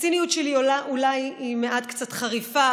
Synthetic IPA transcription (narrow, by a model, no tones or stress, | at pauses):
t͡sinijutʃeliolaʔulajimeʔatkt͡satχaʁifa